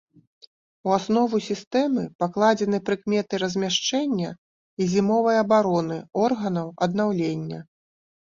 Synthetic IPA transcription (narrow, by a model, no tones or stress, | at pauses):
uasnɔvusʲist̪ɛmɨpaklˠad͡zʲɛn̪ɨpɾɨkmʲɛt̪ɨɾɐzʲmʲaʂt͡ʂɛnʲːɐ | izʲimɔvɐjɐbaɾɔnɨɔrɣɐnɐwɐd̪̚nawlʲenʲːɐ